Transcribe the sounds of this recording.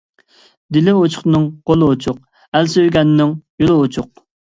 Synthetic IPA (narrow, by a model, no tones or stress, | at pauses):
d̪ɪlɪot͡ʃʰʊ̥χnɨŋqolˠɨot͡ʃʰʊq̚ | ælsøjɡʲɛnːɪŋjolˠɨot͡ʃʰʊq̚